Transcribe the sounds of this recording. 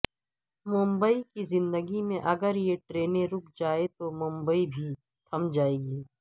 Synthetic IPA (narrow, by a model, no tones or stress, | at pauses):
mʊ̃mbəikizɪ̃nd̪əɡimẽʔɐɡəɾjeʈɾeːnẽɾʊk̚ʰd͡ʒaːet̪omʊ̃mbəibʱi | t̪ʰɐmd͡ʒaːeːɡiː